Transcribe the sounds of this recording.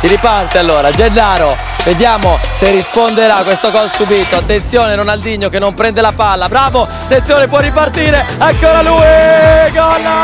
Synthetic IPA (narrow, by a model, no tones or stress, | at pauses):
siɾipart̪ealːoːɾad͡ʒenːaːɾo | ved̪jaːmoserːispond̪eɾakːwest̪oɡɔlsubiːt̪oat̪ːent̪sjoːnenonald̪iɲːokenːompɾɛnd̪elapalːabɾaːvoat̪ːenːjoːnepwɔrːipart̪iːɾeaŋkːoːɾaluːiɡɔnːa